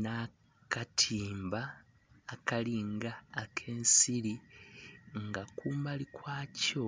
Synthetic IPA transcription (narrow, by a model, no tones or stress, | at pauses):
na | katʰiːmbaː | kaliːŋɡaːkʰe̞ːnsili | ŋɡakuːmbalikwaːco